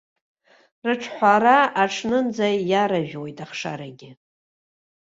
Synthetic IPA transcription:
rɨʈ͡ʂʰħʷaɾaaʈ͡ʂʰnɨnd͡zajaɾaʒᶣwojtʼaχʂa̰ɾaɡʲɪ

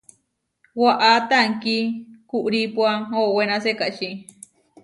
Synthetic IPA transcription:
waʔat̪aŋkikuʔɾipwaowenasekaʔt͡ʃi

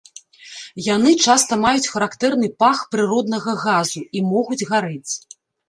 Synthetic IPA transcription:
janɨt͡ʂast̪ɐmajut͡sʲxɐɾakt̪ɛrnɨpaxpɾɨɾɔd̪̚nɐɣɐɣazuimɔɣud͡zʲɣaɾɛt͡sʲ

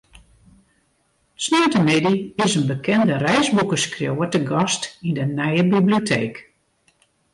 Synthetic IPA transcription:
snœɥtəmɪdiɪsənbəkʰɛndərɛjzbukəskrjowətəɡɔstindənɛjəbibliotʰḛːk

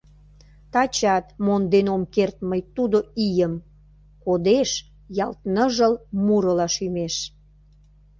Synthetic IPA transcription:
t̪ɑt͡ɕɑt̪mond̪enomkert̪̚məjt̪ud̪oijəm | kod̪eʃ | jɑlt̪nəʒəlmuɾəlɑʃymeʃ

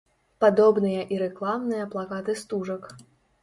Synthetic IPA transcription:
pad̪ɔbnɨjɐʔiɾɛklˠamnɨjɐplˠakat̪ɨst̪uʐɐk

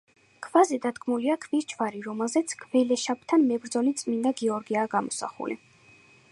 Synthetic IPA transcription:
kʰvazɛd̪ad̪ɡmuliakʰviɾt͡ʃʰvaɾiɾɔmɛlˠzɛt̪sʰɡ̥ʰʼvɛlɛʃap̚ʰt̪ʰanmɛbɾd̪zɔlit̪sʼmind̪aɡiɔɾɡiaːɡamɔsa̰χṵlḭ

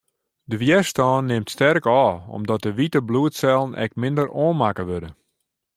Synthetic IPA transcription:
dəʋjɛstɔːnːɪmtstɛrkɔːɔ̰mdɔt̚dəʋitəbluətsɛlˠənɛ̰k̚mɪndəɾoːnmakəʋødə

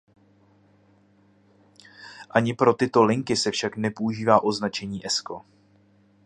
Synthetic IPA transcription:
ʔaɲɪpɾo̞t̪ɪt̪o̞lɪŋkɪsɛfʃaknɛpo̞uʒiːvaːʔo̞znat͡ʃɛɲiːʔɛsko̞

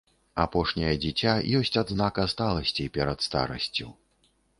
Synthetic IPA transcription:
a̰pɔʂnʲɐjɐd͡zʲit͡sʲajɔsʲt͡sʲad̪znakast̪alˠɐsʲt͡sʲipʲɛɾɐt̪st̪a̰ɾɐ̰sʲt͡sʲu

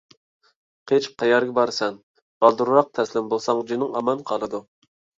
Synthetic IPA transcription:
qʰet͡ʃqʰɑjɑɾɡʲɛbɑɾsɛn | b̥ɑlˠd̪uɾɾɑq̚t̪ʰɛslɪmbolˠsɑŋd͡ʒinɪŋɑmɑnqʰɑlˠɨd̪u

